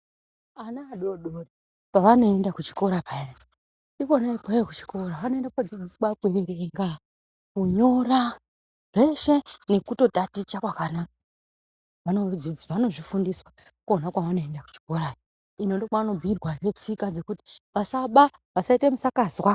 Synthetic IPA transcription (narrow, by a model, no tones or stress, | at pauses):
anaːɗoɗore | paʋano̞e̞ndakut͡ʃi̥ko̞ɾapaei | ikonaekwaekut͡ʃi̥kʰo̞ɾaʋano̞endakod͡zid͡ziskwakweɾeŋɡa | kuɲo̞ɾa | re̞ʃe̞ne̞kuto̞tatit͡ʃakwakanaːka | ʋano̞d͡zid͡ziʋano̞ʐifundiswakuonakwaʋano̞e̞ndaku̥t͡ʃi̥ko̞ɾajo | inondokwaano̞bʱirwaʐe̞t͡sikad͡ze̞kuti̥ʋasaɓa | ʋasaitemusakazwa